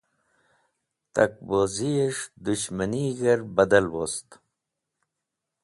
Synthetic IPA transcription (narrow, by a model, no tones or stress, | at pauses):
t̪ɐ̰k̚bozieʂd̪uɕmɐniɡɐɾbɐd̪ɐlwost̪